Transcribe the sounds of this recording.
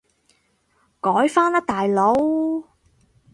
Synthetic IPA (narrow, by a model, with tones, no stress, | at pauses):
kɔː˨˥jfaː˥nɐ˥k̚t̪aː˨jlo˨˥w